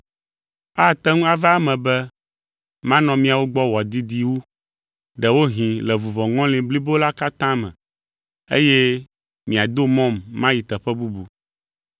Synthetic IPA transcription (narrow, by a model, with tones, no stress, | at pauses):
a˦˨t̪ɛ˦ŋũ˦a˨va˦mɛ̃˨bɛ˦ | mã˦nɔ̃˨mĩ˦a˨wo˦ɡ͡bɔ˦wɔ˨d̪i˦d̪i˦wu˦ | ɖɛ˨wo˦ɦĩ˨lɛ˨vu˨vɔ˨ŋɔ̃˦lĩ˨bli˦bo˦la˦ka˦t̪ã˦mɛ̰̃˨ | ḛ˦jɛ˦ | mĩ˨a˨d̪o˦mɔ̃˦mːã˦ji˨t̪ɛ˨ɸɛ˦bu˦bu˨